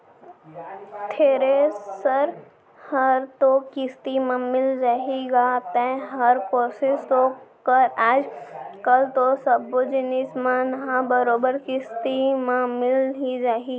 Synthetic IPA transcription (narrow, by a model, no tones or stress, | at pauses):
t̪ʰeːɾesəɾ | hɐɾt̪okɪst̪imãmɪld͡ʒaːɦiɡat̪ɛ̃ɦɐɾkoːsɪst̪okəɾaːd͡ʒkɐlt̪osɐbod͡ʒɪnɪsmãnɐɦãbəɾoːbəɾkɪst̪imãmɪlɦid͡ʒaːɦi